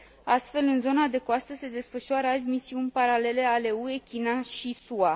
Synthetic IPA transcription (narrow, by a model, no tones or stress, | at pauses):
ast̪fe̞lɨnzo̞nad̪e̞koast̪əse̞d̪e̞sfəʃuaɾəaz̬ʲmisiunʲpaɾale̞le̞ale̞ue̞kʲinaʃisua